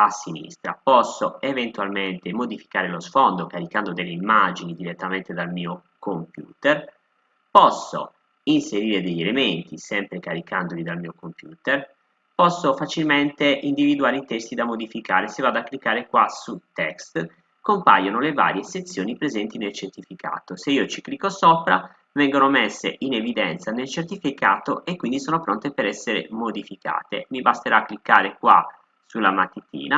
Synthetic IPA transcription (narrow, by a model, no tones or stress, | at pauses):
asːinḭst̪ɾa̰pɔsːoevent̪walment̪emod̪ifi̥kaːɾelosfɔnd̪okaɾikand̪od̪elːeimːad͡ʒinid̪iɾet̪ːament̪ed̪almiːo | kompjṵːt̪er | pɔsːo̰ | inseɾiːɾed̪eʎːelement̪isɛmpɾekaɾikand̪olid̪almiːokompjuːt̪er | pɔsːofat͡ʃilment̪eʔind̪ivid̪uaːɾit̪ɛst̪id̪amod̪ifikaːɾesevːad̪oakːlikːaːɾekwasut̪ɛkst̪ | kompa̰ːjonoleva̰ːɾjeset̪sːjoːnipɾezɛnt̪inelt͡ʃert̪ifika̰ːt̪oseiːot͡ʃiklikːosopɾa̰ | vɛŋɡonomesːḛʔinevid̪ɛnt̪sanelt͡ʃert̪ifikaːt̪oekːwind̪isoːnopɾont̪epeɾɛsːeɾḛmod̪ifika̰ːt̪ḛmibast̪eɾaːkːlikːaːɾekwa̰ | sulːamat̪ːit̪ḭːna